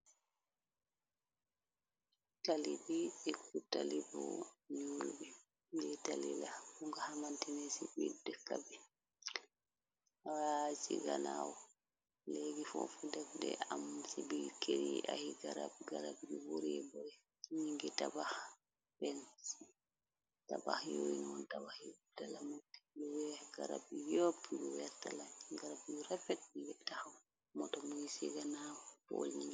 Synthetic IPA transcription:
talibiɛkutalibɔ̰ɲulbi | ɡɛtalilabuŋɡahamantinɛsibidɛkabi | awasiɡanawɔ | leɡifɔfudabdɛ̰amsibikʰeɾḭahiɡaɾa̰b̚ɡaɾabjubuɾibɔɾɛ | ɲiŋɡɛtabah | pɛns | taba̰hjo̰jnwɔntabahjdalamoti̥luwɛhɡaɾa̰b̚ijopijuwɛɾtalaɡaɾabjuɾafɛt̚ɲiɡɛtahaw | mɔtɔmujisḭɡanawɔpɔ̰lɲiŋɡɛ

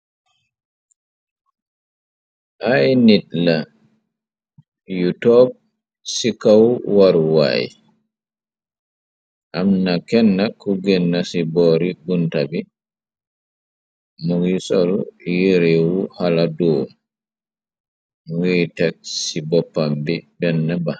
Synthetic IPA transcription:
ʔajniɗla | jutɔb̚ | sikawwaɾwa̰j | ʔamnakɛnːakɔɡɛnːasibɔɾiɡuntabi | muɡisɔljeɾewuhaladɔ | witaksibɔpːambibɛnːɛba

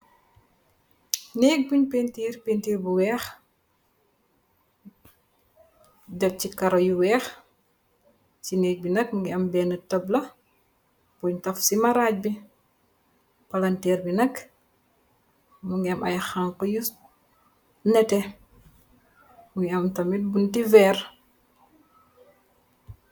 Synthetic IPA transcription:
neːk̚buɲpentiːɾpeːntiːɾbuwɛːx | dɛf̚cikɐɾɔjuwɛːx | t͡ʃinɛːɡ̚binɐk̚muŋɡiɐmbɛːnətɐblɐ | pɔɲtɐfsimɐɾaːc̚bi | pɐlɐntɛːɾbinɐk | muŋɡiɐmʔɐ̰jxaŋkɔjus | nɛtɛ | muŋɐmtɐmit̚buntivɛːr

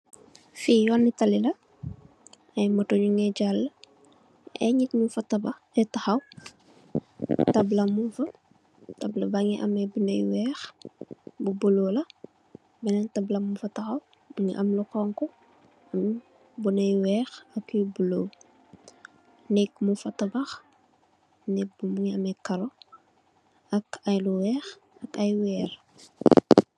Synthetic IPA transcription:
fijɔnːitɐlilɐ | ɐjmɔtoɲuŋɡɛɟalː | ɛ̰ɲitɲufɐtɐbɐ | ɛtɐxɐw | tɐblɐmufɐ | tɐblɐbaŋiʔɐ̰mɛbunɐjwɛːx | bubuloːlɐ | bɛnɛntɐblɐmufɐtɐxɐw | ŋiʔɐmlukɔːŋkɔ | ɐm | bunɐjwɛːxɐkːjubuloː | nɛkmufɐtɐbɐx | nɛk̚bumuŋiɐmɛkɐɾo | ɐkɐjluwɛːx | ɐkɐjwɛːr

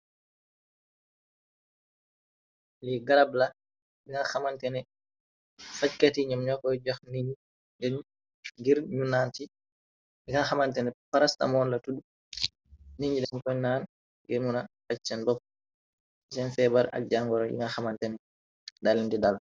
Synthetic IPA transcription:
liɡaɾabla | biŋaxamantɛnɛ | fackatiɲamɲɔkːɔd͡ʒɔxniɲi | dɛn | ɡiɾɲunanti | jiŋaxamantɛnɛpaɾasta̰mɔnlatudu | niɲd͡ʒidɛnkɔjnaːn | ɡiɾmuna | at͡ʃt͡ʃːɛnbɔp̚ | sɛnfɛbaɾa̰k̚d͡ʒaŋɡɔɾɔjḭŋaxamantɛn | dalindidal

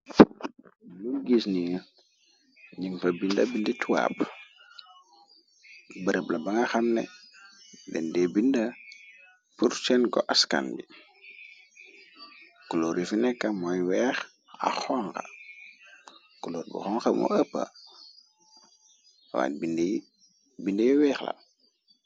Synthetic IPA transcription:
luɡisni | ɲiŋfɐbindɐbindituwa̰p | bəɾɛblɐbɐŋɐxɐmnɛ̰ | dɛndɛbindɐ | puɾt͡ʃɛnkɔʔaska̰nbi | kuloːɾifinɛkːɐmɔjwɛːx | a̰xɔŋkɐ̰ | kuloːɾbṵxɔŋxɐmɔ̰əpːa̰ | wa̰ːtbindij | bindəjiwɛːxla̰

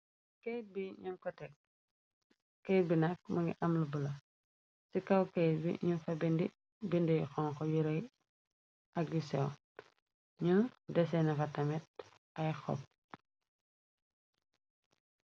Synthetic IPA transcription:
kɛjt̚biɲuŋkɔtɛk̚ | kɛjt̚binɐk̚mɐŋɡḭʔɐmlubulɐ | sikɐwkɛjt̚bḭɲunfɐbɛndi | bindijxɔŋkɔjuɾɐj | ʔɐk̚disɛw | ɲundɛsɛnɐfɐtɐmɛt̚ | ɐjxɔ̰p̚

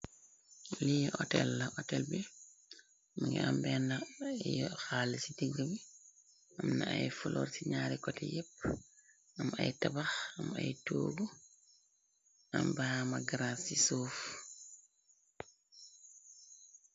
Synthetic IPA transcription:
lijʔɔtɛ̰lːaʔɔtɛlbi | maŋɡɛ̰ambɛnajɔxalsidiŋɡəbi | amnaajfulʔɔ̰ɾsiɲaːɾɛkɔtɛjep̚ː | ama̰jtabaxama̰jto̰ːɡu | ʔambaːmaɡɾasisoːf

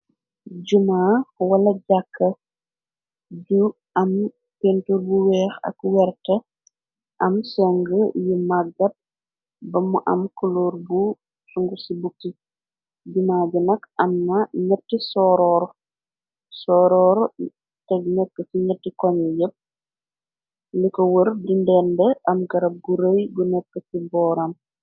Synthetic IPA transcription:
ɟumawɐlɐɟakʰːɐ | ɟu | ɐm | pentuɾbuwɛːxɐ̰kwɛrtɐ | ʔɐmsɛŋɡəjimaɡɐp̚ | bɐmuʔɐ̰mkuloːɾbu | suŋɡusibukːi | dimaːɟinɐkɐmnɐɲɐtːisɔːɾɔːɾ | sɔːɾɔːɾ | tɛɡnɛkːəsiɲətːikɔɲɛjəp̚ | likɔwərdindɛndɛʔɐmɡɐɾɐb̚ɡuɾəjɡunɛkːəsibɔːɾɐm

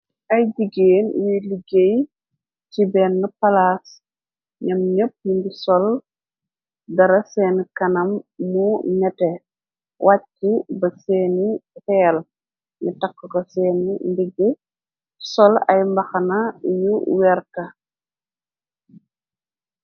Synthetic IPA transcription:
ʔɐjdiɡeːnjuliɡej | cibɛːnːɐpɐlaːs | ɲɐmɲəp̚ːjunbisɔl | dɐɾɐsɛːnkɐnɐmːunɛtɛ | wʔacːibɐsɛːnifɛːl | ɲitɐkːukɔsɛːnindiɡe | sɔlɐ̰jmbɐxɐnɐjuwɛɾkɐ

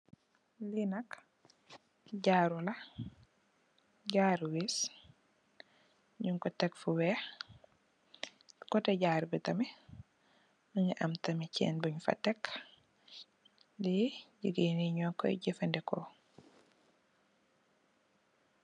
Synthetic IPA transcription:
linɐk | ɟaːɾulɐ | ɟaːɾwis | ɲuŋkɔtɛkfuwɛ | kɔtɛɟaːɾbitɐmɛ | məŋiʔɐmtɐmicɛ̰ːnbuɲfɐ̰tɛk | diɟiɡiniɲɔkɔ̰jɟifɛndɛkɔ̰

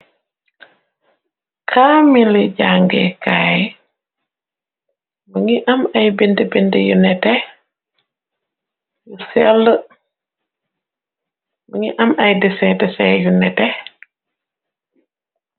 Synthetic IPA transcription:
kʰaːmiliɟaŋɡɛ̰kaj | məŋiʔɐmɐjbindibindəjunɛtɛ | jusɛlːə | məŋiʔɐmɐjdɛsɛdɛsɛjunɛtɛ

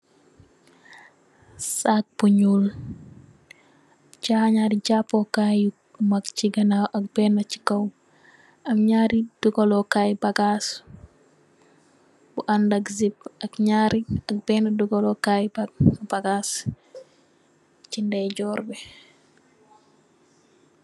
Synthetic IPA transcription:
sak̚buɲul | ɟaɲaːɾiɟapːokaju | mɐkt͡ʃiɡɐnawʔɐk̚bɛnɐci̥kɐw | ɐmɲaːɾid̥uɡolɔkajbɐɡas | buʔandɐkzipɐkɲaːɾiɐk̚b̥ɛːnɐduɡolɔkajbbaɡaːs | cindɛɟɔːɾbɛ

